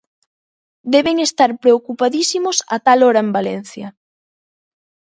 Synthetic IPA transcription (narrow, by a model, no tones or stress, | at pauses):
d̪ɛβeŋest̪aɾpɾeokupaðisimʊsa̰t̪aloɾɐembalɛn̟θjɐ